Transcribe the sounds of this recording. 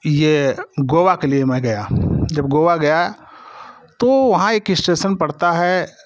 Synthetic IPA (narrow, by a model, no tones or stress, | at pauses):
jeɡoːʋakeliemɛ̃ɡɐjad͡ʒɐbɡoːʋaɡɐja | t̪oʋɐɦãeːkɪsʈeːʃənpɐɽt̪aɦɛ